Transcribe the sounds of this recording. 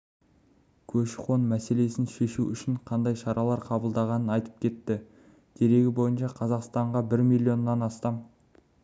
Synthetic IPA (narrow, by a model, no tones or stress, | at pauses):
kʲʰɵʃqo̞nmæse̞le̞sɪnʃe̞ʃuʏʃɪɴqʰɑnd̪ɑjʃɑɾɑlˠɑɾqʰɑbəlˠd̪ɑʁɑnənɑjt̪ə̥p̚kʲʰe̞t̪ːɪ | d̪̥e̞ɾe̞ɡʲɪbo̞jənʃɑqʰɑzɑqst̪ɑɴʁɑbɪɾmijlʲːio̞nːɑnɑst̪ɑm